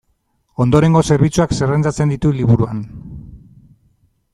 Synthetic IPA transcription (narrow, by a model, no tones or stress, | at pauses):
o̞nd̪o̞ɾe̞ŋɡo̞se̞ɾβit͡suakserent͡sat͡se̞nd̪it̪uliβ̞uɾuan